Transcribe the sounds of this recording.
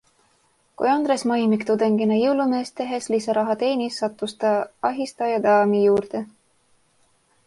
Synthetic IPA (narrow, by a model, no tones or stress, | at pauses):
kṵjɑnd̪̥ɾesmɑjmikt̪ud̪̥eŋɡinɑjɤwlume̞ːst̪eɦeslisɑɾɑɦɑt̪e̞ːnisːɑt̪ːˑust̪ɑɑɦist̪ɑjɑd̪ɑːmijuːɾd̪̥e̞